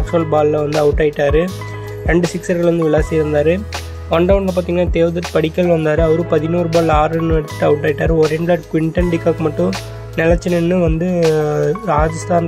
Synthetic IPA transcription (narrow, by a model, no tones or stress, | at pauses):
ksɐlbaːllɐʋɐnd̪ɯɐʋɯʈːaːɪʈːaːɾɯ | ɾɛɳɖɯsɪksɐɾɣɐɭʋɐnd̪ɯʋɪɭaːsiɪɾɯnd̪aːɾɯ | ʋɐɳɖɐʋʊɳlɐpaːt̪iŋɡɐnaːt̪eːʋɐðɐʈːpɐɽɪkːɐlʋɐnd̪aːɾɯɐʋɐɾɯ̃pɐðɪnuːɾɯbaːlaːɾɪnːɯɛɽɯt̪ːɯ̥ʈːɯɐʋɯʈːaːɪʈːaːɾɯɔɾɛɳɖlaːɾkʊʋɪɳʈɐnɖɪkːaːkːmɐʈːʊ̃ | nɛlɐt͡ʃːɐnɪnːɯʋɐnd̪ɯ | ɾaːd͡ʒɐsʈaːn